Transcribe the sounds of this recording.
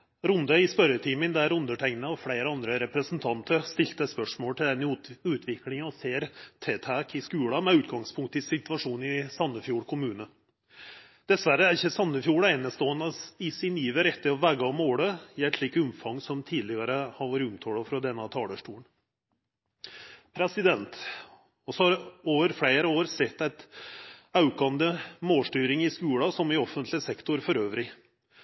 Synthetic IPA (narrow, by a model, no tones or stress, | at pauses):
ɾʊnd̪əɪspœɾət̪ʰiːmənd̪æɾʊnd̪əʈʰɛŋnəɔfɽeɪɾəɑnd̪ɾəɾɛpɾəsnt̪ʰɑnt̪ʰəɾst̪ɪlt̪əspœʂmoːlʈ̪ʰɪld̪ɛnʉːt̪ʰʋɪklɪŋɑɔseːɾt̪ʰeːt̪ʰækʰɪskʉːɽɑmɛʉːt̪̚ɡɑŋspʰʊŋkt̪ɪsɪt̪ʋɑʂuːnɪsɑnːəfjuːɽkʰʊmʉːnə | d̪̥ɛsʋæɾəæɾɪçːəsɑnːəfjuːɽɑɛnəst̪oːənɑɪsɪnjiːʋəɾɛt̪ːəɾɔʋæːɡɑɔmoːɽəjɛt̪liːkəʉmfɑŋːsɔmt̪ʰiːd̪lɪɡɑɾəhɑɾʋoːɾɪʉmt̪ʰoːɽɑfɾɔd̪ɛnːɑt̪ʰɑːləʂʈuːəɳ | pʰɾɛsɪd̪ɛnt̪ | ɔsɔhɑɾoːʋəɾfɽeːɾəoːɾsɛt̪ːæɪt̪ | ɑʉkɑnd̪əmoːlʂʈyːɾɪŋɪskʉːɽɑsɔmɪɔfːənt̪ʰlɪsɛkt̪ʊɾfɔɾøːʋɾɪ